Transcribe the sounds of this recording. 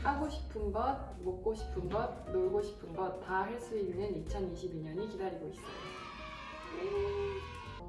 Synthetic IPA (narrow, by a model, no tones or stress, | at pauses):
haɡoɕʰi̥pʰɯnɡʌd̚ | mok̚k͈oɕʰi̥pʰɯnɡʌd̚noɭɡoɕʰi̥pʰɯnɡʌt̚t͈ːaɦeɭs͈uinːɯnit͡ɕʰʌniɕʰibiɲʌɲikidaɾiɡois͈ʌjo | je